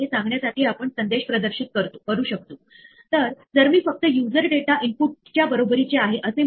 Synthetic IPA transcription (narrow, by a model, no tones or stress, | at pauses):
esãŋɡɳjasaʈiːapəɳsənd̪eɕpɾəd̪əɾɕit̪̚kəɾt̪okəɾuːɕək̚t̪oː | t̪əɾd͡zəɾmiːfək̚t̪əjud͡zəɾɖeʈaʔimpuʈ̚t͡ɕjabəɾobəɾit͡seaɦeʔəse